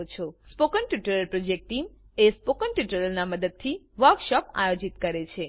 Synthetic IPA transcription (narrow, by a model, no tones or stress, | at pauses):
ot͡ʃʰospokənʈjuʈəɾəlpɾod͡ʒek̚ʈʈim | espokənʈjuʈəɾəlnaməd̪əd̪̚t̪ʰi | ʋəɾkʃɔpa̰jod͡ʒit̪kəɾet͡ʃʰe